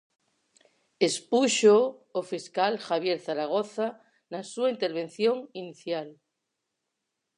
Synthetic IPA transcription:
espuʃoːfiskalxaβ̞jeɾθaɾaɣ̞oθa | nasuaint̪eɾβ̞ẽ̞n̟θjoŋiniθjal

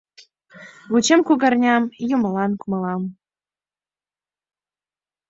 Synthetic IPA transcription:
ɣut͡ɕĕmkuɡɑrnʲɑmjumlˠɑnkumɤ̆lˠɑm

